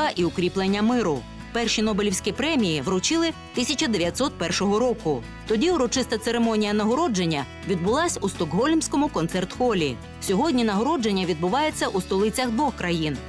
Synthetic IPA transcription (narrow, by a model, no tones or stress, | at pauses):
ɐʔiʊkɾʲiplˠenʲːɐmɪɾʊ | pɛrʃinɔbelʲiwsʲkʲipɾɛmʲijiʋɾɔt͡ʃɪlˠɪ | t̪ɪsʲɐt͡ʃɐd̪eʋʲjɐt̪ʲsɔt̪̚pɛrʃɔɦɔɾɔkʊ | t̪ɔdʲiuɾɔt͡ʃɪst̪ɐt̪seɾemɔnʲijɐnɐɦɔɾɔd͡ʒenʲːɐ | ʋʲid̪̚bʊlˠɑsʲust̪ɔkɦɔlʲmʲsʲkɔmʊkɔnt̪sɛrt̪xɔlʲḭ | sʲɔɦɔdʲnʲinɐɦɔɾɔd͡ʒenʲːɐʋʲid̪̚bʊʋɑje̞t͡sʲːɐʔust̪ɔlˠɪt͡sʲɐxd̪ʋɔxkɾɐjin